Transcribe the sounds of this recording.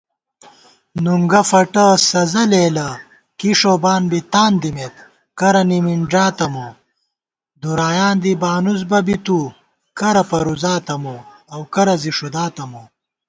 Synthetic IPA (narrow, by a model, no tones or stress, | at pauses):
nuŋɡɐfɐʈɐsɐzɐleːlɐ | kiʂobaːnbit̪aːnd̪imet̪ | kɐɾɐnimiɳʐaːt̪ɐmo | d̪uɾaːjaːnd̪ibaːnuzbɐbit̪u | kɐɾɐpɐɾuzaːt̪ɐmoɐwkɐɾɐziʂud̪aːt̪ɐmo